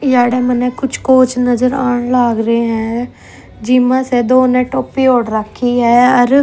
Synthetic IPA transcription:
jaːɽeːmənɛ̃ːkʊt͡ʃʰkoːt͡ʃnəzəɾa̰ːɳlaːɡɾeɦɛ̃ː | d͡ʒiːmãːsɛːd̪oːnẽːʈoːpiːoːɽɾəkʰːiːɦɛːəɾ

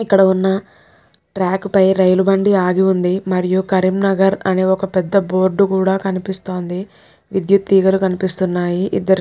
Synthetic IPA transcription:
ikːɐɽɐunːɐ | ʈɾaːkpɐjɾɐjlubɐɳɖiaːɡiund̪imɐɾijukɐɾimnɐɡɐɾɐne̞ːɔkɐpɛd̪ːɐbo̞ːɾɖukuːɽaːkɐnipist̪o̞ːnd̪i | ʋid̪jut̪ːiːɡɐlukɐnipist̪unːaːjiʔḭd̪ːɐɾ

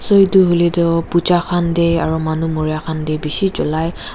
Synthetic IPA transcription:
sojduɦulidɔput͡ʃaxandejaɹumanumoɹijakʰandejbisid͡ʒɔlaj

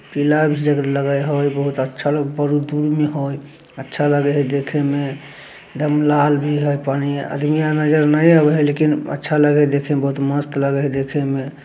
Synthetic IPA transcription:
pilabʱid͡ʒəɡɾləɡəjɦojbəɦut̪ətːʃʰaləɡpəɾud̪uɾmeɦoj | ətːʃʰaləɡɛɦd̪ekʰeme | d̪əmlalbʱiɦojpaniə̰d̪mijanəd͡ʒəɾnəjəbəlekinə̰tːʃʰaləɡɛd̪ekʰebəɦut̪məst̪ləɡəd̪ekʰeme

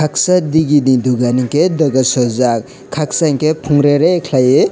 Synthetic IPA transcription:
kʰak̚sadiɡiniduɡaniŋkedɐɡasɔzak | kʰːak̚saŋkepʰuŋɾeɾekʰlaje

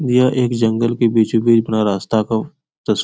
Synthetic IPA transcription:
d̪ɪjaʔeːkd͡ʒɐ̃ŋɡəlkebiːt͡ʃbiːd͡ʒbɪnaɾaːst̪aka | t̪ɐs

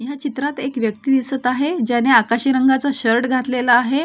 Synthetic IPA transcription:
jat͡ɕit̪ɾat̪ekʋjəkt̪iːd̪isət̪aɦed͡ʑaneakaɕiɾəŋɡat͡saɕəɾʈɡʱat̪lelaːɦe

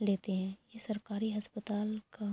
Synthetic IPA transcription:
leːt̪eɦɛ̃jesɐɾkaːɾiɦɐspət̪aːlka

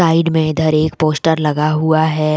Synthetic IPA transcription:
aːɪɖmẽɪd̪ʱɐɾeːkpoːsʈəɾlɐɡaɦuaɦɛː

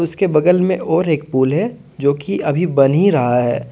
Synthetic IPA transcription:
ʊskebɐɡəlmẽʔɔːɾeːk̚puːlɦɛ | d͡ʒoːkiʔɐbʱibɐniɾɐɦaɦɛ̰ː

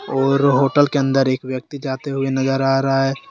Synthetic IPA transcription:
ɔːɾɦoːʈəlkeə̃nd̪əɾeːkʋjək̚t̪id͡ʒaːt̪eɦʊenɐzəɾaːɾəɦaɦɛː

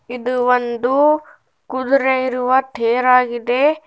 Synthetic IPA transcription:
id̪uʋond̪u | kud̪uɾeiɾuʋɐt̪ʰeːɾaːɡid̪e̞

